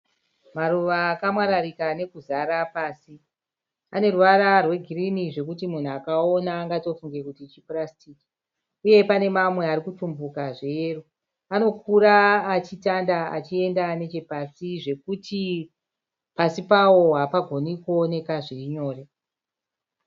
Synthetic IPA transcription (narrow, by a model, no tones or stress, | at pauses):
maɾuʋaːkamwaɾaɾikane̞kuzaɾapaːsi | ane̞ruʋaɾarwe̞ɡʱiriniʐe̞kutimun̤uakaonaːŋɡato̞fuŋɡe̞kutit͡ʃiprastiːki̥ | uje̞pane̞mamwe̞arikutumbukaʐeːru | ano̞kuɾaːt͡ʃitandaa̰t͡ʃie̞ndane̞t͡ʃe̞pasiʐe̞kutʰi | pasipawo̞ɦapaɡʱo̞nikuo̞ne̞kaʐiɲo̞ːre